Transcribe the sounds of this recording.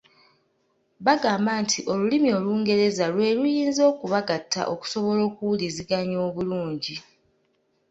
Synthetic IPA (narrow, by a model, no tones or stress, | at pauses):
βaɡaːmbaːntʰiʔo̞lulimio̞ːluːŋɡe̞ɾe̞zalwe̞ːlujiːnzo̞ːkuβaɡatːa̰ʔo̞ku̥so̞βo̞lo̞ːkuwuliziɡaɲo̞ːβuluːɲɟi